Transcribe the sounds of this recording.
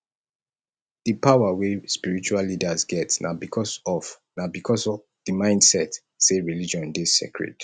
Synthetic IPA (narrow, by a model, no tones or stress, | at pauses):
ð̥əpawawespiɹit͡ʃualːidazɡɛtnabikʰɔsɔf | nabikʰɔsɔ | ð̥əmãɪ̃ndsɛt | seɹilid͡ʒɔ̃ndesḛkɹɛ̰d̥